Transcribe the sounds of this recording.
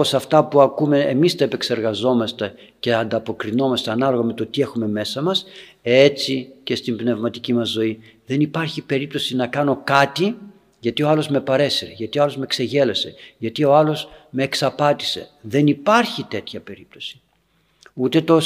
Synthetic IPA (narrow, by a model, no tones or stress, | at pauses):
osɐft̪ɐpuɐkume̞emist̪ɐepe̞kse̞ɾɣɐzo̞mɐst̪e̞ | ce̞ɐnd̪ɐpo̞kɾino̞mɐst̪eɐnɐlo̞ɣɐme̞t̪o̞t̪ie̞xume̞me̞sɐmɐs | et͡sice̞st̪imbne̞vmɐt̪icimɐzːo̞iðe̞nipɐɾçipe̞ɾip̚t̪o̞sinɐkɐno̞kɐt̪i | ʝɐt̪io̞ɐlo̞zme̞pɐɾe̞siɾeʝɐt̪io̞ɐlo̞zme̞kse̞ʝe̞le̞se̞̰ʝɐt̪io̞ɐlo̞sme̞ːksɐpɐt̪i̥se̞̰ðe̞nipɐɾçit̪e̞t̪çɐpe̞ɾip̚t̪o̞̥si̥ | ut̪e̞t̪o